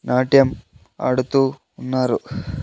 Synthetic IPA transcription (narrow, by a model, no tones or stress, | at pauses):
naːʈːjɐm | ɐ̰ɽut̪ːuː | nːaːɾu